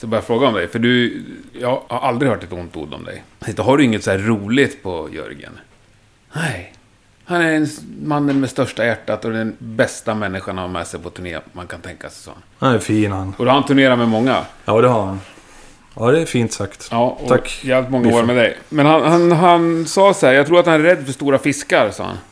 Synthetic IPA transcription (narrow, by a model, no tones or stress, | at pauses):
sɔɛbɑːɾafɾoːɡaɔmd̪ɛjfœɖɵjɑɡhaɾʔald̪ɾɪhœːʈːat̪hʊnt̪ṵːd̪ːɔ̰md̪ɛ̰jɪt̪ɔɦaɖɵɪŋːət̪sɔhæːɾːuːlɪt̪pʰɔjœ̰ɾɡə̰n | nɛj | hanæɾɛnmanːənmɛst̪œʂʈajæʈːat̪ɔd̪ɛnbɛst̪amɛnːɪɧaɳhamɛ̰ːsɛjpʰɔt̪ʰɵɳḛːmankʰant̪ʰɛŋkasɛjsɔ̰ha̰nafiːnhanɔd̪ɔhahant̪ʰɵɳeːɾaɾmɛmɔŋːa̰jɑːd̪ɛhaɾhan | ɑːd̪ɛːfiːnt̪sakt̪jɑːɔtʰakːjɛːavlɪt̪mɔŋːaoːɾəmɛd̪ɛjmɛnhanhanɦansɑːsæːɾjaɡt̪ɾuːɾat̪hanæɾɛd̪ːfœʂt̪uːɾafɪskaɾsɑ̰ːha̰n